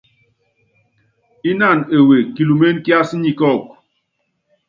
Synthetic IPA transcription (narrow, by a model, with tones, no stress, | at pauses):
i˦na˦˨ne˨we˨ki˨lu˨me˦n˦kja˦si˦ɲi˨kɔ˦˨k̚